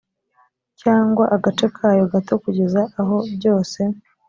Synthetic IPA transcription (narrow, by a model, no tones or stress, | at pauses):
caːŋɡwaʔaɡat͡ʃe̞kʰaːjo̞ɡato̞kuɟe̞zaʔːɦo̞bɟo̞ːse̞